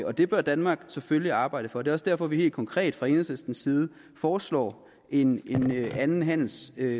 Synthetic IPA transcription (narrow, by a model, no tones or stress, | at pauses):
ɒ̽d̥e̝b̥ɶɐd̥ænmɑ̈ːɡ̥seføljiɑ̈ːb̥ɑ̈ɪ̰d̥əfɒ̽de̝ːɒ̽sd̥æɐ̰fɒ̽ʋihe̝̰ːld̥kʰɒ̽ŋkʰʁɛ̰ːd̥fʁɑ̈e̝nðˠsesd̥n̩sːiːð̞ˠə | fɒːslɒ̰ː | ʔe̝ne̝nænn̩ɦæn̰l̩sø